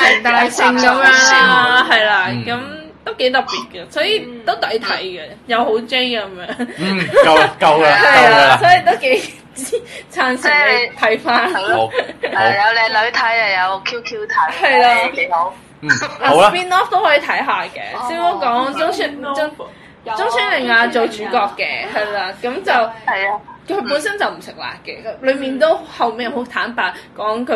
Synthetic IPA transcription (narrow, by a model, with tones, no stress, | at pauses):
ɐ˨˩jt̪aː˨jsɪ˧ŋkɐ˨˧˥mjœː˧˥ŋa˥ɦɐ˨jlaː˧kɐ˨˥mt̪o˥wke˨˥jt̪ɐ˨˩p̚piː˨t̚kɐ˧sɔː˨˥jiː˨˧t̪o˥wt̪ɐ˨˥jt̪ʰɐ˨˥jɡɛ˧jɐ˨˧who˨˥wt͡sɪ˥ŋkɐ˨˧mjœː˨˥ŋ˨˩˧ | kɐ˧wɐhɐ˨jla˧sɔː˨˥ji˨˧t̪o˥wke˨˥j | t͡si˥t͡sʰaː˨˧˩nsɪ˥˨˧t̪ʰɐ˨˥jfaː˥n | ɐ˨jɐ˨˧wlɛ˨˧jlɵ˨˧ɥt̪ʰɐ˨˥jɐ˨˧jɐ˨˧wkʰiː˥wkʰi˥wt̪ʰɐ˨˥hɐ˨jlaː˧˨˧ | aː˨˧piː˥nɔː˥ft̪o˥whɔː˨˥i˨˧t̪ʰɐ˨˥jɦaː˨kɛ̰ː˧siː˥wt̪o˥kɔː˨˥ŋt͡sʊ˥ŋʰyː˧˥nʊ˥ŋ | t͡sʊ˥ŋsʰyː˨˥nlɪ˨˩ŋaː˧t͡so˨wt͡ʃyː˨˥kɔː˧kːɛː˧ɦɐ˨jlaː˧kɐ˨˧˥mt͡sɐ˨w | kʰɵ˨˧˥puː˨˥nsɐ˥nt͡sɐ˨wm̩˨˩sɪ˨k̚la̰ː˨k̚kːɛː˧lɵ˨˧ɥmiː˨nt̪o˥whɐ˨wme˨ho˨˧˥t̪ʰaː˨˥npaː˧kɔː˨˥ŋkʰɵ˨˥